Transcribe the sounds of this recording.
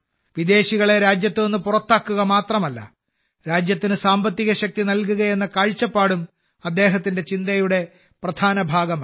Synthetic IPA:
ʋid̪e̞ːɕiɣɐɭe̞ɾaːd͡ʑjɐt̪ːɨonːɨpurɐt̪ːaːkːuɣɐmaːt̪rɐmɐlːɐ̰ | ɾaːd͡ʑjɐt̪ːinɨsaːmbɐt̪ːiɣɐɕɐk̚t̪inɐlkuɣɐje̞nːɐkaːɻt͡ɕːɐpːaːɽum | ɐd̪ːe̞ːɦɐt̪ːinde̞t͡ɕind̪ɐjuɽe̞ | prɐd̪ʱaːnɐbʱaːɡɐm

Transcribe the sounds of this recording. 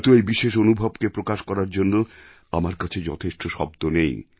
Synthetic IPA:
t̪oejbiʃeʃonubʱabkepɾokaʃkɔɾaɾd͡ʑonːo | amaɾkat͡ɕʰed͡ʑɔ̰t̪ʰeʃʈoʃɔ̰bd̪onej

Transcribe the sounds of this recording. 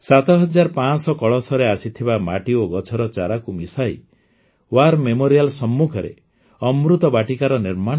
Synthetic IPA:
sat̪ɔɦɔd͡ʒaɾpãsɔkɔɭɔsɔɾeasit̪ʰibamaʈioɡɔt͡ʃʰɔɾɔt͡ʃaɾakumisaj | waɾmemoɾijalsɔmːukʰɔɾḛ | ɔmɾut̪ɔbaʈikaɾɔniɾma

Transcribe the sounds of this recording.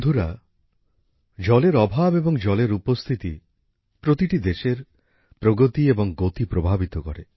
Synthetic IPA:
d̪ʱuɾa | d͡ʒɔleɾɔbʱabebɔŋd͡ʒɔleɾupɔst̪ʰit̪ḭ | pɾot̪iʈid̪eʃeɾ | pɾoɡot̪iebɔŋɡot̪ipɾobʱabit̪ɔkɔ̰ɾe

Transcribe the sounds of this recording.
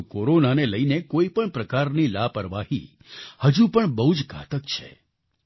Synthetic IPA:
koɾonaneləinekoipəɳpɾəkaɾnilapəɾʋahḭ | həd͡ʒũpəɳbəɦud͡ʒɡʱa̰t̪əkt͡ʃʰḛ

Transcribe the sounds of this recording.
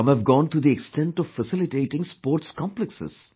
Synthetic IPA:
ʌ̃mævɡɔ̃ːnt̪ʰɾud̪iɛksʈɛ̃ɳʈɔʋfəsɪlɪʈeːʈɪ̃ŋspoːɾʈskɔ̃mpləksɪ̰z̥

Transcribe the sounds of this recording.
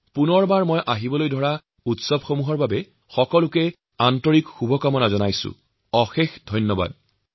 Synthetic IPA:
punɔɹbaɹmɔjʔaɦibɔlojdʱɔɹa | utsɔbxomuɦɔɹbabɛ | xɔkɔlʊkɛ | antɔɹikxubʱɔkɔmɔnazɔnajsʊ̰ | ɔxexdʱɔjnːɔba̰d̚

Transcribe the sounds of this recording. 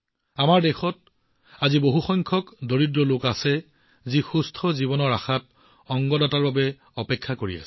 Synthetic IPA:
amaɹdɛxɔt̚ | aziboɦuxɔjŋkʰɔkdoɹidɹɔlokasɛ | zixustʰɔzibɔnɔɹaxat̚ | ɔŋɡɔdataɹbabɛ | ɔpɛkʰːakoɹḭa̰sɛ̥

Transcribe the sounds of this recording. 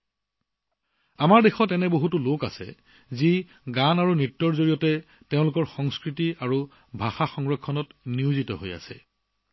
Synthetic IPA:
amaɹdexɔtɛnɛboɦutuloka̰sɛ̰ | zi | ɡanaɹunitːɔɹzoɹijɔtɛ | teʊ̃lʊkɔɹxɔŋskɹitiaɹu | bʱaxaxɔŋɹɔkʰːɔnɔtniuzitɔ̰ɦo̰ja̰sɛ̰

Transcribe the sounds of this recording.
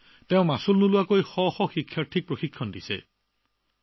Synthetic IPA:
teʊ̃masulnulʊwakojxɔxɔxikʰːjaɹtʰik̚pɹoxikʰːɔndisɛ̰

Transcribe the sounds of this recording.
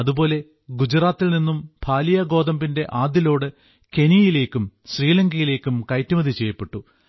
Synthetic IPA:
ɐðubo̞ːle̞ | ɡud͡ʑraːt̪ːilninːumbʱaːlijɐɡo̞ːd̪ɐmbinde̞ʔaːd̪jilo̞ːɽɨ | ke̞nijile̞ːkʲːumɕriːlɐŋɡɐjile̞ːkʲːumkɐjtːumɐðit͡ɕe̞jːɐpːe̞ʈːu

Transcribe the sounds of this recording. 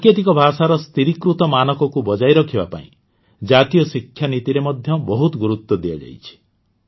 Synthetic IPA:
ket̪ikɔbʱasaɾɔst̪iɾikɾut̪ɔmanɔkɔkubɔd͡ʒajɾɔkʰibapa̰ḭ̃ | d͡ʒat̪ijɔsikʰːjanit̪iɾemɔd̪ʱjɔbɔɦut̪ɔɡuɾut̪wɔd̪ia̰d͡ʒa̰jt͡ʃʰi̥

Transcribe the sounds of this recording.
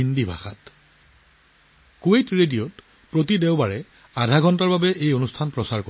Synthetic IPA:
indibʱa̰xat | kuejtɹedijot | pɹotideʊbaɹɛ | adʱaɡʱɔntaɹbabɛʔejonustʰanpɹɔsaɹko

